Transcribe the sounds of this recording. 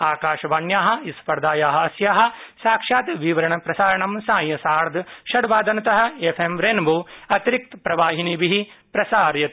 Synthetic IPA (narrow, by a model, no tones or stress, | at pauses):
aːkaːʃɐʋaːɳjaːɦɐ̆ispɐɾd̪aːjaːɦɐ̆ɐsjaːɦɐ̆saːkʂaːt̪ʋiʋɐɾɐɳɐpɾɐsaːɾɐɳɐmsãːjjɐsaːɾd̪ʱʃɐɽʋaːd̪ɐnɐt̪ɐɦɐ̆efʰemɾeːnboːɐt̪ɾik̚t̪pɾɐʋaːɦinibiɦipɾɐsaːɾjɐt̪